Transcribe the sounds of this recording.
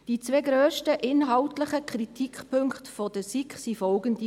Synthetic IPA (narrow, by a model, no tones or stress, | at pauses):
d̥it͡sveːɡɾøːʃtəʔɪnɦɑlʊtləχəkʰɾitʰikpʰøŋktfodəsikχsifɔlɡəndi